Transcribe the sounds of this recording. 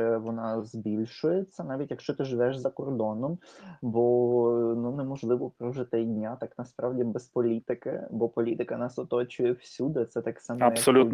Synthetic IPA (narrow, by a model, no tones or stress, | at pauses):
ɛʋɔnɑzbʲilʲʃʊjet͡sʲːɐnɑʋʲitʲjɐkʃt͡ʃɔt̪ɪʒʋɛʃzɐkɔrd̪ɔnɔmbɔnunɛmɔʒlˠɪʋɔpɾɔʒɪt̪ɛjdʲnʲat̪ɑknɐspɾɑwdʲibɛspɔlʲit̪ɪkɪ̰bɔpɔlʲit̪ɪkɐnɑsɔt̪ɔt͡ʃʊjɛwsʲud̪ɪt̪sɛt̪ɑksɑmɛɐɐsɔlʲu